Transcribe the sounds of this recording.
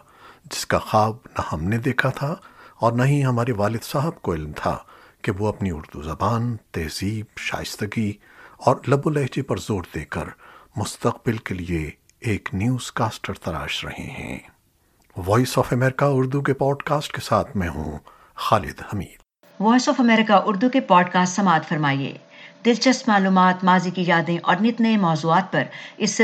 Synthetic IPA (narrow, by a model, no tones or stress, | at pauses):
d͡ʒɪ̥skaxaːbnahɐmned̪eːkʰat̪ʰaɔːɾnɐɦĩɦɐmaːɾeʋaːlɪd̪saːɦəbkoɪlmt̪ʰa̰keʋoɐpniʊɾd̪uzɐbaːnt̪ɛːz̥iːbʃa̰ːjɪst̪əɡi | ɔːɾlɐbʊlɛɦd͡ʒepɐɾzoːɾd̪eːkə̰ɾmʊst̪ɐqbɪlkelie | eːknjuːz̥kaːsʈəɾt̪ɐla̰ːʃɾɐ̰hḛ̃ɦɛ̰̃ː | ʋɔːisɔːfɐmɛːɾɪkaʊɾd̪uk̬epɔːɖkaːsʈkesaːt̪ʰmɛ̃ɦṵ̃ | xaːlɪ̰d̪hɐmḭːd̪̥ | ʋɔːisɔːfɐmɛːɾɪkaʔʊɾd̪ukepɔːɖkaːsʈsɐmaːt̪fɐɾmaːiḛː | d̪ɪlt͡ʃɐst̪maːluːmaːt̪maːzikijaːd̪ẽʔɔ̰ːɾnɪt̪nəẽmɔːzuːaːt̪̚pɐɾɪsːe